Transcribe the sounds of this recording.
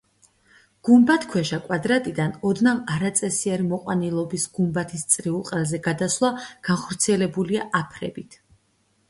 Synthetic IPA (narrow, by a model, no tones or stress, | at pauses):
ɡ̥umbat̪ʰkʰwɛʃakʼwad̪ɾat̪ʼid̪anɔd̪namaɾat̪sʼɛsiɛɾimɔqʼwanilˠɔbisɡ̥umbat̪ʰist̪sʼɾiulˠqʼɛlˠzɛɡad̪aslˠaɡ̥anχɔɾt̪sʰiɛlɛbuliaʔapʰɾɛ̰bit̪ʰ